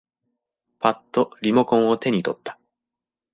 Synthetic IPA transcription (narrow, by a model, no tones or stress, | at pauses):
pat̪ːo̞ɾʲimo̞kõɰ̃o̞t̪e̞ɲ̟it̪o̞t̪ːḁ